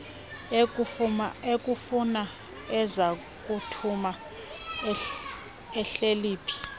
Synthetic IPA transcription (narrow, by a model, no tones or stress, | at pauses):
maek̬ʼufuna | ɛza | k̬ʼutʰuma | ɛɬeliːpʰi̥